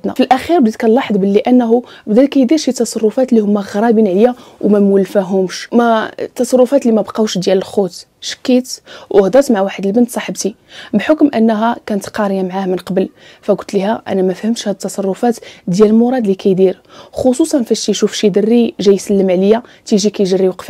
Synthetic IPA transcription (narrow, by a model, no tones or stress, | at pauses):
t̪næ̰fəlʔæxiɾbd̪it̪kælːɑħd̪ˤbəlːiʔænːɦu | bd̪ælkæjd̪iɾʃit̪ːɑsˤɑrˤːʊfæt̪lːihʊmːæɣɾˤɑbinʕləjawmæməlfæɦʊmʃmæt̪ːɑsˤɑrˤːʊfæt̪limæbqɑwʃd̪jæləlxut̪ | ʃə̥kːit̪wʔəhd̪ˤɑt̪maʕwaħəd̪əlbənt̪sˤɑħəbt̪ibħokmʔənːɦækænət̪qɑɾjamʕahmənqɑbəl | fæɡʊlt̪lihæʔæ̰næmæfhəmʃhæd̪ət̪ːɑsˤɑrˤːʊfæt̪d̪jæləlmʊɾˤɑd̪likæjd̪iɾ | xosusˤɑnfæʃt̪iʃufʃid̪ərːiʒæjsəlːəmʕləjːat̪iʒikæjʒərːiwqfi